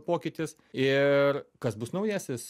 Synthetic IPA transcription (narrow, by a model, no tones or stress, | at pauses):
poːkʲɪt̪ʲɪs | ɪrkɐsbʊsnɐʊjæːsʲɪs